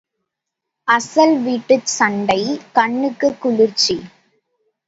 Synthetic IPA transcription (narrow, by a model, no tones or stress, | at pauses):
ʔɐsɐlʋiːʈːɯsɐɳɖɐɪkɐɳːɯkːɯkːʊɻɪɾt͡ʃi